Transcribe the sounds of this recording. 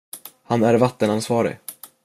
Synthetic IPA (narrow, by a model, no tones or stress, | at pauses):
hanæɾvat̪ːənansvɑːɾɪ̰